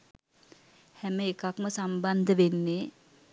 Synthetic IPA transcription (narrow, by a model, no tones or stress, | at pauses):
hɛməekakməsamband̪əʋenːe